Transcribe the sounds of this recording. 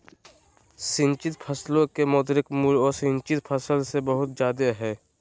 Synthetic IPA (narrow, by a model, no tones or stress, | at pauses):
sɪ̃nt͡ʃɪt̪pʰəslõkemɔːd̪ɾɪkmuɾɔːɾsɪ̃nt͡ʃɪt̪pʰəsəlsebəɦʊt̪d͡ʒjaːd̪eɦɛː